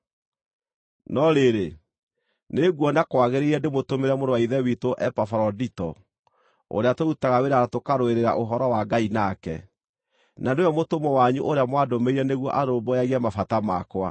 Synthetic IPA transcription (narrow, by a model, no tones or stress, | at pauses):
nɔɾeɾe | neɣwɔnakwaɣeɾeiɾɛdemotomeɾɛmoɾowaiðɛwitoʔɛpafɾɔditɔ̰ | o̰ɾeatoutaɣaweɾaɾatokaɾoeɾeɾa̰ʔoɦɔɾɔwaɡainakɛ̰ | naneojɔmotomɔwaɲuʔoɾeamwadomeiɾɛneɣwɔʔaɾombɔjaɣɛmafatamakwa̰